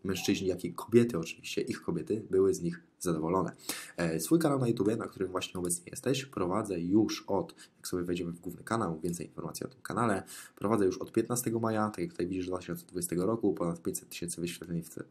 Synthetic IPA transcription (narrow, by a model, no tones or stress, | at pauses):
mɛ̃w̃ʂt͡ʂɘʑɲijakʲikʰɔbʲjɛt̪ɘɔt͡ʂɘ̥vʲiɕt͡ɕɛʔixkɔbʲjɛt̪ɘbɘwɘzɲix | zad̪ɔvɔlɔnɛ̰sfujkanawnajut̪ubʲjɛnak̚t̪uɾɘmvwaɕɲɛɔbɛt̪sɲɛjɛ̰st̪ɛɕpɾɔvad̪zɛjuʂɔt̪jaksɔbjɛvɛjd͡ʑɛmɘvɡwuvnɘkanawvʲjɛnt̪sɛjinfɔɾmat̪sʲiɔ̰t̪ɘmkanalɛpɾɔvad̪zɛjuʂɔt̪̚pʲjɛt̪nast̪ɛɡɔmajat̪akʲjak̚t̪ut̪ajvʲid͡ʑiʐd̪vat̪ɘ̥ɕɔnsɛd̪vud͡ʑɛst̪ɛɡɔɾɔkupɔnat̪̚pʲeɲt͡ɕsɛ̥t̪ːɘ̥ɕɛnt̪sɘvɘɕfʲjat̪lɛɲif